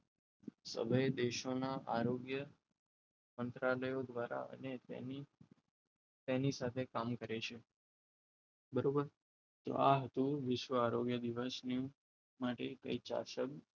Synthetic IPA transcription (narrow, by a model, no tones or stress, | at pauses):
sə̰bʱəjed̪eʃonaʔaɾoɡjə | mənt̪ɾaləjod̪ʋaɾa̰ə̰nḛni | t̪enisat̪ʰekamkəɾet͡ʃʰe | bəɾobəɾ | t̪o̰ʔaɦət̪ũʋɪʃʋəaɾoɡjəd̪iʋəsniũ | maʈekə̰it͡ʃa̰ʃək